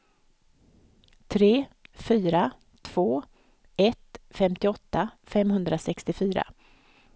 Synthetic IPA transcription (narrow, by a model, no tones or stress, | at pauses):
t̪ʰɾeːfyːɾa | t̪ʰv̥oː | ʔɛt̪fɛmt̪ɪɔt̪ːafɛmɦɵnd̪ɾasɛkst̪ɪfyːɾa̰